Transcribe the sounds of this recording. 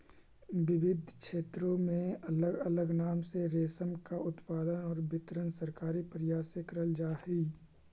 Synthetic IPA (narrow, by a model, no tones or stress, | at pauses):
ʋɪʋɪd̪ʱkʃeːt̪ɾõmẽɐləɡələɡnaːmseɾeːsəmkaʊt̪paːd̪ənɔːɾbɪt̪ɾənsɐɾkaːɾipɾɪjaːsekəɾəld͡ʒaːhiː